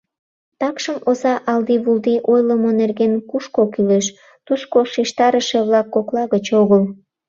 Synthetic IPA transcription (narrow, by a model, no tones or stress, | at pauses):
t̪ɑkʃəmozɑʔɑld̪iβuld̪iʔojləmonerɣenkuʃkokyleʃ | t̪uskoʃiʃt̪ɑɾəʃeβlɑkːoklɑɣət͡ɕoɣəl